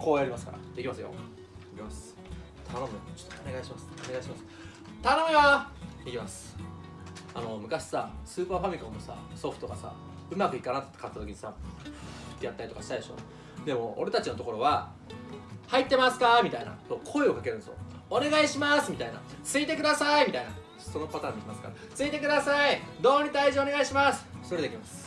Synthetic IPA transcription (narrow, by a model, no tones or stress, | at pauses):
kʰoːjaɾʲimasɨ̥ka̰ɾa̰d̪̥e̞kʲimasɨjo̰ | d̪ekʲimas | t̪ʰano̞mit͡ɕo̥t̪ːoone̞ɡaiɕimasɨ̥oneɡaiɕimasɨ̥ | t̪ano̞mʲiβaekʲimasɨ̥ | ano̞mɯ̟kaɕi̥sasɨːpaːɸamʲikõmːosa̰so̞ɸɯ̟t̪o̞ɡasa̰ | ɯ̟makɯ̟ikanat̪t̪ːe̥kat̪ːat̪o̞kʲiɲisa̰ | t̪ːejat̪ːaɾʲit̪o̞kaɕi̥t̪aid̪eɕoːn | d̪e̞mo̞̰o̰ɾe̞t̪at͡ɕino̞t̪o̞ko̞ɾo̞βa | hait̪ːe̞masɨ̥kamʲit̪aina̰soːkʰo̞eo̞kake̞ɾɯ̟nezo̰ | one̞ɡaiɕimasɨmʲit̪aina̰t͡sɨit̪e̞kɯ̟d̪asaimʲit̪aina | so̞no̞pat̪ãːɲːikʲimasɨ̥ka̰ɾa | t͡sɨit̪e̞k̬ɯ̟d̪asaid̪o̞ːɲ̟it̪aiʑioneaiɕimasɨ̥t̪oɾed̪e̞kʲimasɨ̥